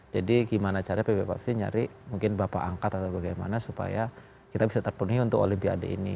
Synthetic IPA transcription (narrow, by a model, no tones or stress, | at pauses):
d͡ʒadiɡimanat͡ʃaɾapebepa̰psiɲa̰ɾɪʔmuŋkɪnbapa̰ʔaŋkat̪at̪awbaɡajma̰nasupa̰ja | kit̪abisat̪ərpunuɦiunt̪ʊko̰limpia̰dḛḭnḭ